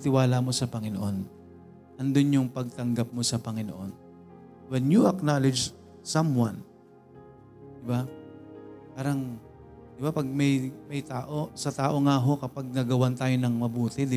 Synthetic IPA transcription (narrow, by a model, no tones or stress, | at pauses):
t̪ɪwaːlamo̞sɐpɐŋɪnoʔo̞n | ʔɐnd̪onjʊŋpɐɡ̚t̪ɐŋɡap̚mo̞sɐpɐŋɪno̰ʔo̰n | wɛnjuʔɐknalɪd͡ʒ | samwan | d̪ɪba | paːɾɐŋ | d̪̥ɪbapɐɡ̚mɐjmɐjt̪aːʔo̞sɐt̪aːʔo̞ŋaɦo̞kɐpaɡ̚nɐɡɐwant̪aːjo̞nɐŋmɐbuːt̪ɪd̪ɪ